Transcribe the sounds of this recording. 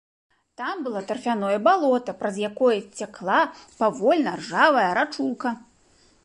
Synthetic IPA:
t̪ambɨlˠat̪ɐrfʲanɔjɐbalˠɔt̪ɐpɾɐzjakɔjɐt͡sʲaklˠapavɔlʲnɐrʐavɐjɐɾat͡ʂuw̪kɐ

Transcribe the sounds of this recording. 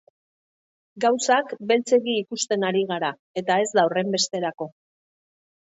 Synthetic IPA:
ɡawsakbe̞lt͡se̞ɣiːkust̪e̞naɾiɣ̞aɾa | e̞t̪ae̞zd̪awre̞mbe̞st̪e̞ɾako̞

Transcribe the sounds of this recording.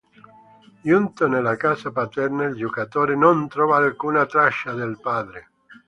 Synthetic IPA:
junt̪onelakasapat̪ɛɾnaild͡ʒokat̪oːɾenont̪ɾɔːvaːlkunat̪ɾaʃad̪elpaːd̪ɾe

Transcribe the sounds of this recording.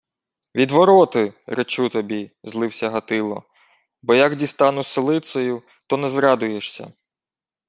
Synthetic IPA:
ʋʲid̪ʋɔɾɔt̪ɪɾet͡ʃut̪ɔbʲizlˠɪwsʲɐɦɐt̪ɪlˠɔ̰ | bɔjɐɡdʲist̪ɑnʊsɪlˠɪt̪sɔjʊ | t̪ɔnɛzɾɑd̪ʊjeʃsʲɐ̰

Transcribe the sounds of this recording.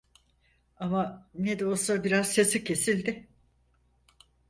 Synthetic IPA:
amaned̪o̞lˠsabiɾazse̞sicʰe̞silʲd̪ɪ

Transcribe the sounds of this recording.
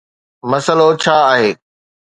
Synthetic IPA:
mɐsəlot͡ɕʰaːɦeː

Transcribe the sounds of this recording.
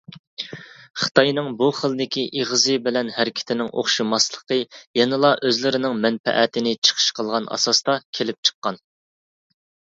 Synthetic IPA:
χə̥t̪ʰɑjnɨŋbuχəlˠd̪ɪkʲʰiʔeʁəzɨbɪlɛnhæɾɪkʲʰɪ̥t̪ʰɪnɪŋʔo̰χʃumɑslˠə̥qəjɛnɨlˠɑʔøzlɪɾɪnɪŋmɛnpɛ̰ʔɛt̪ʰɪnɪt͡ʃʰə̥qʰə̥ʃqʰəlˠʁɑnɑ̰sɑst̪ɑkʲʰelɪp̚t͡ʃʰə̥qːɑn

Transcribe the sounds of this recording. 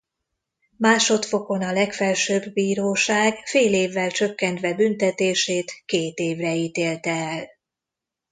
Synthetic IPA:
maːʃo̞t̪fo̞ko̞nɒlɛkfɛlʃøːbːiːɾoːʃaːɡfeːleːvːɛlt͡ʃøkːɛnt̪ʋɛbynt̪ɛt̪eːʃeːt̪keːt̪eːvrɛiːt̪eːlt̪ɛɛl

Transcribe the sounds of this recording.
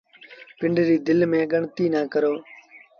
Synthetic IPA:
pɪɳɖɾiːd̪ɪlmẽːɡəɳt̪iːnaːkəɾoː

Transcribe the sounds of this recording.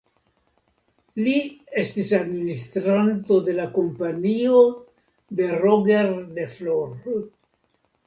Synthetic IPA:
liest̪isad̪minist̪ɾant̪o̞d̪e̞lakompanio | d̪e̞roɡeɾd̪efloɾ

